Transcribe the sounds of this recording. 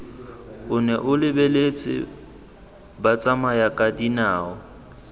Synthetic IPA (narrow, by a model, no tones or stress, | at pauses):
ʊnɛʔʊlɪbelet͡sʼɪ̰ | bat͡sʼamajakʼadinaːɔ